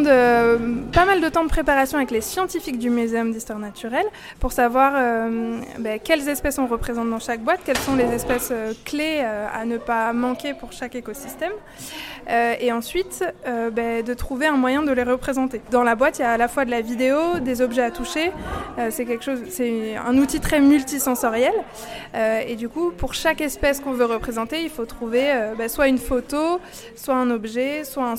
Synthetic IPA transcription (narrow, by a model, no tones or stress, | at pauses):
d̪øpamald̪ət̪ɑ̃d̪əpχepaʁasjɔ̃avɛklesjɑ̃t̪ifik̚d̪ymyzeɔmd̪ist̪waʁnat̪ʰyʁɛl | puʁsavwaʁø | bɛkʲɛlzɛspɛsɔ̃ʁəpχezɑ̃t̪̚d̪ɑ̃ʃak̚bwat̪kʲɛlsɔ̃lezɛspɛsøkleøa̰nəpamɑ̃kʲepuʁʃakekosist̪ɛm | øeɑ̃sɥit̪øbɛd̪ət̪χuveɛ̃mwajɛ̃d̪əleʁəpχezɑ̃t̪ed̪ɑ̃labwat̪ijaːlafwad̪əlavid̪eod̪ezɔbʒɛat̪uʃeøsɛk̬ʲɛlkʃozsɛɛ̰̃nut̪it̪χɛmylt̪isɑ̃sɔʁjɛl | øed̪ykupuʁʃakɛspɛskɔ̃vøʁəpχezɑ̃t̪eilfot̪χuveøbaswaynfot̪o | swaɛ̃nɔbʒɛswaɛ̃